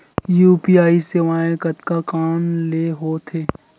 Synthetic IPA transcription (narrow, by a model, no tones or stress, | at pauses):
juːpiːaːiseʋaːẽkɐt̪kakaːnleːɦoːt̪ʰeː